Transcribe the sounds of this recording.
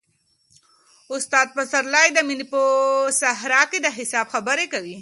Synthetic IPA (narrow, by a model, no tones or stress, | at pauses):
ʊst̪aːd̪̚pɐsɐɾlaːjd̪aminiposɐɦɾaːkid̪aɦisaːbxɐbɐɾekɐwi